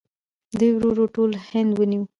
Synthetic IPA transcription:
d̪əjwɾoɾoʈolhɪnd̪wəniw

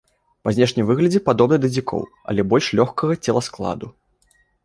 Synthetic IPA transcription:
pɐzʲnʲɛʂnʲimvɨɣlʲɐd͡zʲɛpad̪ɔbnɐd̪ɐd͡zʲikʰɔ̰w | ɐ̰lʲɛbɔlʲʂlʲɔxkɐɣɐt͡sʲɛlˠɐsklˠa̰d̪u

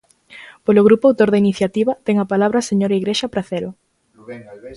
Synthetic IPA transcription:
poloɣɾupʊawt̪oɾðɐiniθjat̪iβɐt̪ɛŋapalaβ̞ɾaseɲoɾaiɣɾeʃɐpɾaθeɾo

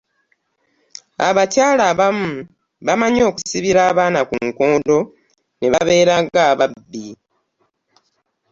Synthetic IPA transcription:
a̰βacaːlaːβamu | βamaɲo̞ːku̥siβiɾaːβaːnakuŋkoːndo̞ | neβaβe̞ːɾaɡaːβabːi

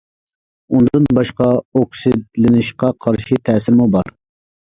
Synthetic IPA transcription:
und̪ɨnbɑʃqɑoksɪd̪lɪnɪʃqɑqʰɑɾʃit̪ʰɛːsɪɾmubɑɾ

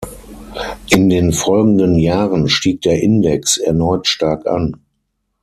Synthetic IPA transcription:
ʔɪndeːnfɔlɡŋ̩dənjaːʁənʃtiːk̚d̥eːɐʔɪndɛksɛɐnɔʏtʃtaɐkʔa̰n

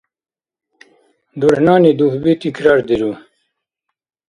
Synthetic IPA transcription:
d̪uɽhnaːnid̪uhbit̪ikɾaːɾd̪iɾu

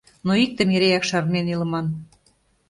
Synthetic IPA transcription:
noik̚t̪ə̆meɾeækʃɑɾneniləmɑn

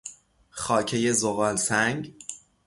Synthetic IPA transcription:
xɒːcʰe̞je̞zoɣɒːlsæŋɡ

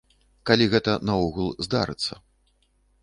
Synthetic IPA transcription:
kalʲiɣɛt̪ɐnɐɔɣulˠzd̪a̰ɾɨ̰t̪sːɐ

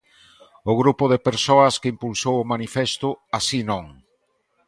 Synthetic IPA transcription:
ʊɣɾupʊðepeɾsoɐskeimpulsowʊmanifest̪ʊasinõŋ

